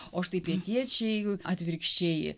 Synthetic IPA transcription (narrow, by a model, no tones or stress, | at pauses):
oːɐʃt̪ɐɪppʲiɛnʲt̪ʲiɛt͡ʃʲɛjɡʊɐt̪ʲʋʲɪɾʲkʃʲt͡ʃʲeːjɪ̰